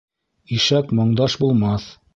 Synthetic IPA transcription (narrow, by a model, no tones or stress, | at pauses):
iʃækmŏɴd̪ɑʃbulˠmɑθ